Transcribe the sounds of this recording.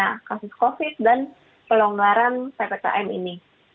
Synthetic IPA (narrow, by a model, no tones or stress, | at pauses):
akasʊskofɪt̪̚dan | pəloŋɡaɾant̪epeka̰ʔɛmḭni